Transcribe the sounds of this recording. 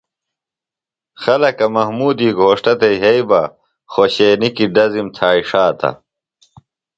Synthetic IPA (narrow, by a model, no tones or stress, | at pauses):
xɐlɐkɐmɐɦmuːd̪iːɡʱoːʂʈɐt̪eiɦeibɐ | xoɕeːnikiɖɐzimt̪ʰaːiʂaːt̪ɐ̰